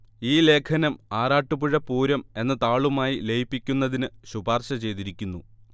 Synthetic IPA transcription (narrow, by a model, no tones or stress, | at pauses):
iːle̞ːkʰɐnɐmaːraːʈːupuɻɐpuːɾɐme̞nːɐt̪aːɭumaːjilejipːikʲːunːɐðinɨɕubaːrɕɐt͡ɕe̞jt̪iɾikʲːunːu